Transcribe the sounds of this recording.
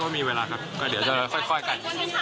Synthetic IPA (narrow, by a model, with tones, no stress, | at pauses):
wɔː˥˩miː˧weː˧laː˧kʰa˦˥p̚kɔː˥˩di˩˦wt͡ɕa˨˩˧xʰɔ˥˩jxʰɔ˥˩jka˧n˨˩